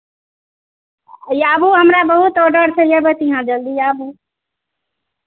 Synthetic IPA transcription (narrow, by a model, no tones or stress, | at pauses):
jabuɦəmɾabəɦut̪oɖəɾt͡ʃʰɛjebet̪iɦãd͡ʒəld̪ijabu